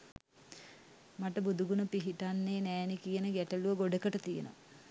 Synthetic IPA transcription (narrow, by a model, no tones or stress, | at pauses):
maʈəbud̪uɡunəpiɦiʈanːeːnɛːnikijənəɡæʈəluʋəɡoɖəkəʈət̪ijə̰no̰